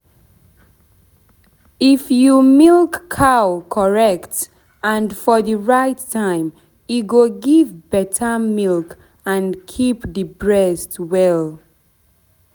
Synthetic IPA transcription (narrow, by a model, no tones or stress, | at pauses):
ifjumilkʰːawkʰɔɹɛkt | ãnfɔðiɹaɪtʰːãɪ̃m | iɡoɡivbɛtʰəmilk | ãnkʰipdibɹɛstwɛl